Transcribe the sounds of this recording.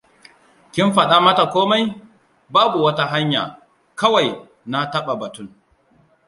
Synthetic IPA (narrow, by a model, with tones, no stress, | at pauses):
kʲɪ˦mɸɐ˨ɗa˦mɐ˦ta˨kʷoː˦ma˦j | baː˦bu˨wɐ˦ta˦ɦa˦ɲja̰ː˨ | kɐ˦wa˨j | na˦tɐ˦ɓa˨bɐ˨tʊ˦ŋ